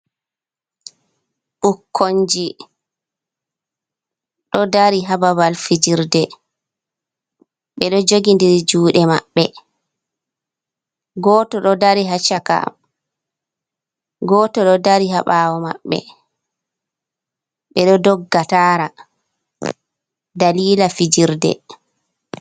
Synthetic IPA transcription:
ɓukʰːoɲd͡ʒi | ɗɔdaɾiɦababalfid͡ʒiɾdɛ | ɓɛɗɔd͡ʒoɡindiɾid͡ʒuːɗɛma̰ɓːɛ | ɡɔːtɔɗɔdaɾiɦat͡ʃːaka̰m | ɡɔːtɔɗɔdaɾiɦaɓaːwɔma̰ɓːɛ̰ | ɓɛɗɔdɔɡːataːɾa | daliːlafid͡ʒiɾdɛ̰

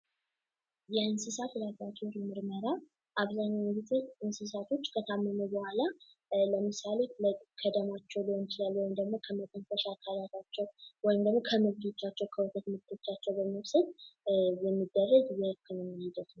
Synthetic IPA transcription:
jɛɨnsɨsat̪lakʼat͡ʃːiɾmɨɾməɾa | ʔaβzaɲːawɡit̪ʰeɨnsɨs̬at̪ʰo̞t͡ʃːkʰət̪ʰamːəmubəhʷala | ləmɨsaleləkʰəd̪əmat͡ʃːɛwlihont͡ʃʰɨlalːwɔjɪmd̪əɡmo̞kʰəməkʼənfəʃakʰalat̪ʰat͡ʃːɛwwɔjɪmd̪əɡmo̞kʰəmɨɡd̪et͡ʃːat͡ʃːɛwkʰəwot̪ʰət̪mɨɡd̪ʰot͡ʃːat͡ʃːɛwbəmːɨwsəd̪jɛmːid̪ːərːəɡjɛɨkʰːɨnomhid̪ət̪nəw

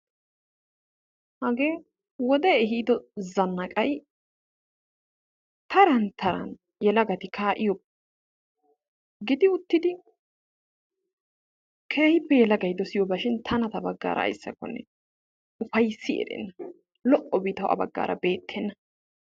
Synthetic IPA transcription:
hɐɡe̞ː | wɔd̪ɛɛɦiːd̪ɔzɐnːɐkʼɐj | t̪ɐɾɐnt̪ʰɐɾɐ̰n | jɛlɐɡɐt̪ɪkʰaːʔɪjɔb | ɡɪd̪ɪʊt̪ːɪd̪ɪ | kʰeːhɪpːɛjɛlɐɡɐjd̪ɔsɪjɔbɐʃɪnt̪ʰɐnɐt̪ɐbɐɡːa̰ːɾʔɐ̰ːjsːɐkːɔ̰nːɛ̰ | ʊfɐjsːɪɛ̰ɾɛ̰nːɐ | lɔʔʼːɔbiːt̪ɐwʔɐ̰bɐ̰ɡːa̰ːɾʔɐ̰be̞ːt̪ʰːɛnːɐ

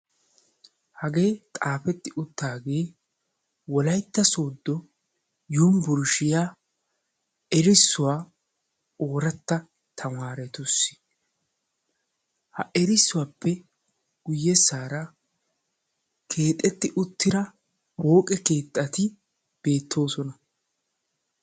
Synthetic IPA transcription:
hɐɡe̞ːt̪ʼaːfɛt̪ːɪʔʊt̪ːaːɡe̞ː | wɔlɐjt̪ːɐso̞ːd̪ːɔ | juːmbʊɾʃɪjaː | ɛɾɪsːʊwaː | oːɾɐt̪ːɐ | t̪ʰɐmaːɾɛt̪ʊsːɪ̥ | hɐ̰ʔɛɾɪsːʊwaːpːɛ | ɡ̥ʊjːɛsaːɾɐ | kʰe̞ːt̪ʼːɛt̪ːɪʔʊt̪ːɪɾɐ | ho̞ːkʼɛke̞ːt̪ʼːɐt̪ɪ | b̥e̞ːt̪ʰːo̞ːsɔnɐ

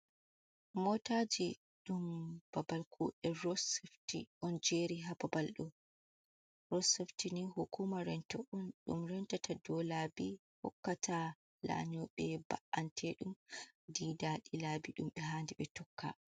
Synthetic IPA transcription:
mɔtad͡ʒi | ɗumb̥abalkʰuʔɛɾɔsɛftiʔɔnd͡ʒeɾiɦababalɗɔ | ɾɔsɛftinihukumaɾɛntɔʔɔnɗṵmɾɛntatʰadɔlabi | hɔ̰kːatʰa | la̰ɲɔɓɛba̰ʔantʰɛɗumdidaɗilabiɗumɓɛɦaːndiɓɛtɔkʰːa̰

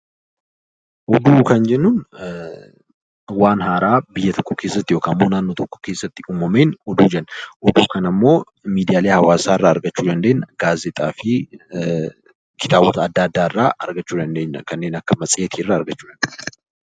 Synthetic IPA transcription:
ʔɔd̪uːkɐnd͡ʒɛnːʊn | waːnhaːɾaːbɪjːɐt̪ɔkːɔkeːsːɐt̪ːɪjo̞ːkɐɐmːo̞ːnaːnːɔt̪ɔkːɔ̥ke̞ːsːɐt̪ːɪuːmɐme̞ːnɔd̪uːd͡ʒɛnːɐʔɔd̪uːkɐnɐmːo̞ː | miːd̪ɪjaːle̞ːhɐwaːsaːɪrːaːɐɾɡɐt͡ʃːuːd̪ɐnd̪eːnɐɡaːzɛt̪ʼaːfɪ | kɪ̥t̪aːbɔt̪ɐɐd̪ːaːd̪ːaːɪrːaːɐɾɡɐt͡ʃːuːd̪ɐnd̪eːɲːɐ̰kɐnːe̞ːnɐkːɐmɐsʼɪjet̪ʰiːɪrːaːɐɾɡɐt͡ʃːuːd̪ɐnd̪n

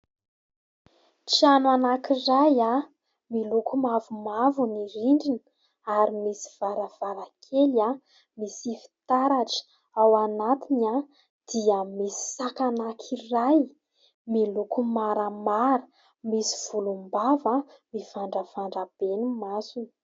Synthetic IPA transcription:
ʈ͡ʂianwanakiraja | milukumavumavuniɾiɳɖ͡ʐini̥ | aɾimisi̥v̥aɾəv̥aɾakʰela | misifi̥t̪aɾaʈ͡ʂə̥ | awanat̪ina | d̪̥iəmisi̥sakanakʰiraj | milukumaɾəmaɾə | misi̥v̥ulumbavə | mifaɳɖ͡ʐəvaɳɖ͡ʐab̥enumasuni̥

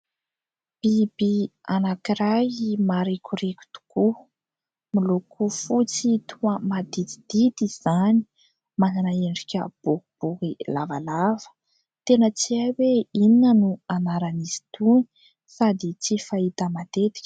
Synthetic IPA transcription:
b̥ibianakiɾajmaɾekuɾekʲu̥t̪u̥ku | milokʰufut͡sit̪ʰuəmad̪it͡s̪i̥d̪̥it̪iz̥ani̥ | mananaeɳɖ͡ʐikʲə̰b̥ukib̥ukilava̰lavə̥ | t̪enət͡siaweininənuanaɾanizi̥t̪uni̥ | sad̪it͡sifait̪əmat̪et̪i̥kʲə̥

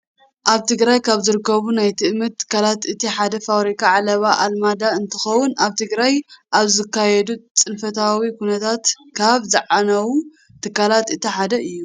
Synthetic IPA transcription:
ʔaβt̪ʰɨɡɾajkʰaβzɨɾɨkːɐβunajt̪ʰɨʔmɐt̪̚t̪ʰːɨ̥kːalat̪ɨt̪ʰiħad̪ɐfawɾikʰaʕalɐβaʔalmad̪aɨnt̪ʰɨxɐwʊnaβt̪ʰɨɡɾajʔaβzɨkːajɛd̪ut͡sʼɨnfɐt̪ʰawikʰunɐt̪ʰat̪ | kʰaβzɨʕanɐwu | t̪ʰɨkːalat̪ɨt̪ʰiħad̪ɐʔɨjːu

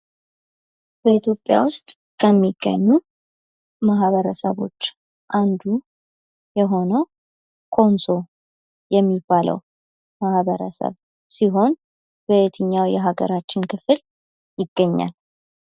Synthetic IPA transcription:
b̥əit̪ʰjo̞pʼːja̰wʊst̪ʼ | kʰəmːiɡ̥ːə̰ɲːu | maɦβəɾəsəβo̞̰t͡ʃː | ʔand̪u | jɛɦo̞nəw | kʰo̞nso̞ | jɛmːibːalʔə̰w | mahβəɾə̰sə̰β | siɦo̞n | bəet̪ʰɨɲːawjɛɦaɡə̰ɾat͡ʃːɪnkʰɨfɨl | jɪɡ̥ːəɲːa̰l

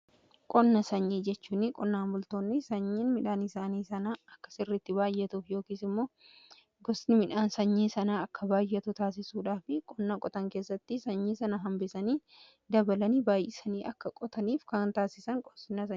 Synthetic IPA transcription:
kʼɔnːɐsɐɲːiːd͡ʒɛt͡ʃːuːnːɪkʼɔnːaːnbʊlt̪o̞ːnːɪsɐɲːiːnmɪᶑaːnɪsaːniːsɐnaːɐkːɐ̥sɪrːɪt̪ːɪbaːjːɛt̪uːfjo̞ːkiːsɪmːo̞ː | ɡɔsnɪmɪᶑaːnsɐɲːiːsɐnaːɐkːɐbaːjːɛt̪ʊt̪aːs̬ɪsuːᶑaːfɪkʼɔnːakʼɔt̪ɐŋke̞ːsːɐt̪ːɪsɐɲːiːsɐnɐɦɐmbɪsɐniː | d̪ɐbɐlɐniːbaːjʔɪsɐniːʔɐkːɐkʼɔt̪ɐniːfkaːnt̪aːsɪsɐŋkʼɔ̥snɐs̬ɐ

